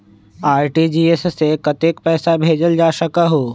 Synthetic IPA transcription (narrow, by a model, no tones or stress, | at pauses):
aːɾʈid͡ʒiːessekɐt̪ek̚pɛːsabʱeːd͡ʒəld͡ʒaːʃɐkaɦoː